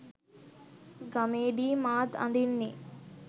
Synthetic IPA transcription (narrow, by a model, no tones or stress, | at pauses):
ɡɐmeːd̪iːmaːd̪ɐ̰nd̪inːi